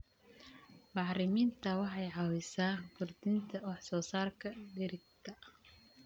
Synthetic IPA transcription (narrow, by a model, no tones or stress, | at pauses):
bɑħɾɪmiːnt̪ʰɐwɑħɑjʕɑwɪsaːɡʊrd̪ɪnt̪ʰɐwɑħsɔːsaːrkʰɐɖɪɾɪɡ̚t̪ʰɐ